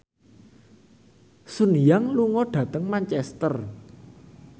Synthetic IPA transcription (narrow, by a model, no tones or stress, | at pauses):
sunjaŋluŋɔɖ̥ä̤t̪əŋmaɲt͡ʃɛst̪ər